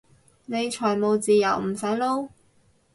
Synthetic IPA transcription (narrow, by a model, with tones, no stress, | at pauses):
ne˨˧jt͡ʃʰɔː˨˩jmo˨˧wt͡siː˨jɐ˨˩wm̩˨˩sɐ˨˥jlo˥w